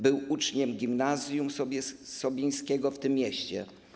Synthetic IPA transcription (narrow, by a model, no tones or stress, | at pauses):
bɘwut͡ʂɲɛmɡʲimnazʲjumʲsɔbʲij̃skʲɛɡɔft̪ɘmːjɛɕt͡ɕɛ̰